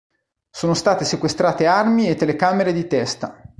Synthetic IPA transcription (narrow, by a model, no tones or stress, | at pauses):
soːnost̪aːt̪esekwest̪ɾaːt̪earmiet̪ːelekaːmeɾed̪it̪ɛst̪a